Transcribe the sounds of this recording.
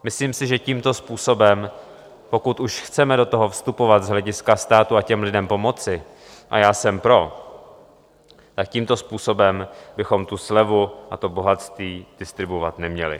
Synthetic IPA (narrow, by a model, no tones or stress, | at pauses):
mɪsliːmsɪʒɛciːmt̪o̞spuːso̞bɛm | po̞kut̪uʃxt͡sɛmɛdo̞t̪o̞ɦo̞fst̪upo̞vat̪zɦlɛɟɪskast̪aːt̪uacɛmlɪdɛmpo̞mo̞t͡sɪ | ʔa̰jaːsɛmpɾo̞ | t̪akciːmt̪o̞spuːso̞bɛmbɪxo̞mt̪uslɛvuʔat̪o̞bo̞ɦat̪st̪viːd̥ɪst̪ɾɪbuvat̪nɛmɲɛlɪ̰